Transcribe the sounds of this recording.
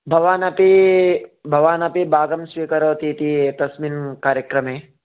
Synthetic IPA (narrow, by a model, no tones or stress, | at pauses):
bʱɐʋaːnɐpi | bʱɐʋaːnɐpibaːɡɐmsʋiːkɐɾoːt̪it̪it̪ɐsmiːnkaːɾjɐkɾɐmeː